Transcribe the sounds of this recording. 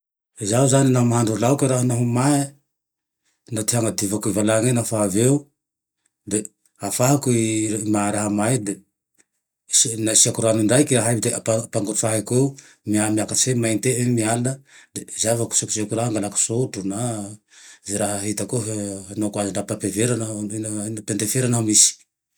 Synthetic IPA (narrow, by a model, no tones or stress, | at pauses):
zauzaninaɦumaɦaɳɖ͡ʐulaukeɾaɦanaɦumae | nat̪iɦaŋad̪ivakuivalaŋenafaveu | d̪e | afaɦakmaɾaɦamajd̪e | snasiakuɾanuɳɖ͡ʐajkiɾaɦajbd̪eapapaŋɡuaɦeko | miamiakaemajnt̪eemialanəd̪ezavaku̥suku̥sekuɾaɦaŋɡalaku̥soʈ͡ʂuna | zeɾaɦəɦit̪akoɦanokwaziɳɖ͡ʐapapeveɾannpend̪efeɾanɦamisi̥